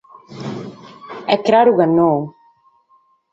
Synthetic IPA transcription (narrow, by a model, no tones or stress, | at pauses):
ɛkɾaɾuɣanow